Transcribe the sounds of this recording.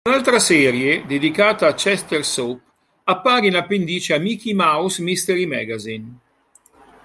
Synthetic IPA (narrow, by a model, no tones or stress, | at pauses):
unalt̪ɾasɛːɾjed̪ed̪ikaːt̪aːt͡ʃɛst̪ersop | apːaːɾinapend̪iːt͡ʃeamik̟imawsmist̪eɾimɛ̰ɡazin